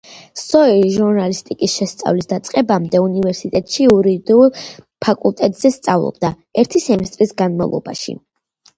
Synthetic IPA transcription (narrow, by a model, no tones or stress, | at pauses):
sɔɛiʒuɾnalist̪ʼikʼisʃɛst̪sʼa̰vlisd̪at̪sʼqʼɛbamd̪ɛunivɛɾsit̪ʼɛt̪ʼʃiuɾid̪ulˠ | pʰakʼulˠt̪ʼɛt̪ʼz̥ɛst̪sʼavlˠɔ̰b̚d̪a | ɛɾt̪ʰisɛmɛst̪ʼɾisɡanma̰vlˠɔ̰ba̰ʃḭ